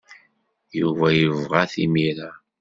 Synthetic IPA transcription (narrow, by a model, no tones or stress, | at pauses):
juvæjəvʁæθimiɾa